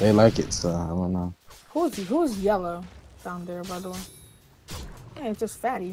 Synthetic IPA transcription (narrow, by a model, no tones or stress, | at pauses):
ðeɪlaɪkɪ̰tʌaɪdõʊ̃nːoʊhuzɦhuzjɛlˠoʊd̥ãʊ̃nðə˞baɪðəwʌ̃n | ɨ̃sd̥ʒ̥ʌstfæɾi